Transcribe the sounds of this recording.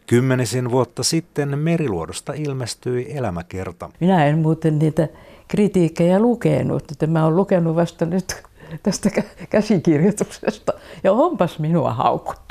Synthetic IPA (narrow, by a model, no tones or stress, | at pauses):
kymːenisinʋuot̪ːɑsit̪ːenmeriluodost̪ɑilmest̪yielæmækḛrt̪ɑ̰minæemmuːt̪enniːt̪ækrit̪iːkːejælukḛnṵt̪et̪ːemmæollukenuʋɑst̪ɑnyt̪t̪æst̪ækækæsikirjot̪uksḛst̪ɑjɑompɑsminuɑ̰hɑ̰ukːu̥t̪ːu